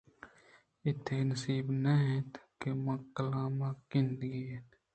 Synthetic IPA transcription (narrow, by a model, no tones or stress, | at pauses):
ɪt̪ʰenəsiːbnɐɦɛ̃t̪kemɐ̃kəlaːmaːɪ̃nd̪ɡiɦeːt̪